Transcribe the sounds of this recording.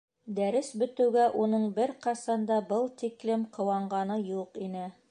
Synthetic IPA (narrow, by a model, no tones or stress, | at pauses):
d̪æɾɘsbɵ̆t̪ɘ̆wɡæʔunɤɴbɘɾqɑsɑnd̪ɑbɤlˠt̪iklɘmqʰɤ̆wɑɴɢɑnɤjuqinɘ